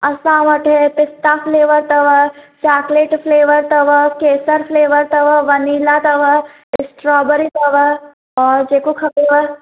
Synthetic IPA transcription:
ɐsãːʋɐʈʰepɪst̪apʰleːʋəɾt̪ɐʋət͡ʃaːkleːʈpʰleːʋəɾt̪ɐʋəkeːsəɾfʰleːʋəɾt̪ɐʋəʋɐniːlat̪ɐʋə | ɪsʈɾɔːbəɾit̪ɐʋə | ɔːɾd͡ʒeːkokʰɐbeːʋə

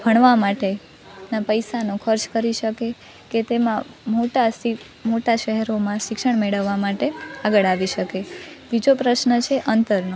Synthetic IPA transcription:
bʱəɳ̃ʋamaʈe | napəjsanõkʰəɾt͡ʃkəɾiʃəke | ket̪emãmoʈasi | moʈaʃəɦɛɾomãʃɪkʃəɳ̃meɭəʋːamaʈeaɡəɭaʋiʃəkebid͡ʒopɾəʃnət͡ʃʰeʔənt̪əɾno

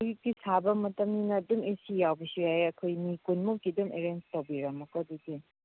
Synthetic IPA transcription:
jiɡisabɐmɐtɐmninɐːdumesijawbisuhajɐkʰojmikunmukːidumeɾenstawbiɾɐmɐkɐdidi

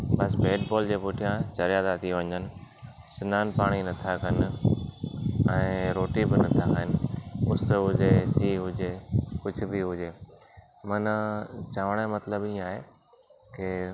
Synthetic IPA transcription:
bɐsbeːʈ̚bɔːld͡ʑeːpʊʈʰijãt͡ɕɐɾijad̪at̪ʰijõʋɐ̃ɲd͡ʑənɪ̆ | sɪnaːnpaːɽ̃inɐt̪ʰakɐn | ɛ̃ːɾoːʈibɪnɐt̪ʰakʰaːɦɪnɪ̆ʊsɦʊd͡ʑesiːɦʊd͡ʑekʊd͡ʑʱʊ̆bʱiɦʊd͡ʑeː | mɐnt͡ɕaːʋəɽ̃emɐt̪ləbĩaːɦeː | kɪ

